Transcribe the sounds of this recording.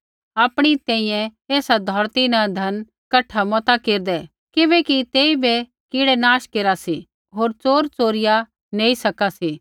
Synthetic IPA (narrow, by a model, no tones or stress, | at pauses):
aːpɽ̃it̪ɛ̃ːĩjɛ̃eːsad̪ʱɔːɾt̪inad̪ʱɐn | kɐʈʰːamɔt̪akeːɾd̪ɛ | kɪbɛkit̪eːibe | kɪɽɛnaːʃkeːɾasi | ɦoːɾt͡soːɾt͡soːɾɪja | neːisɐkasiː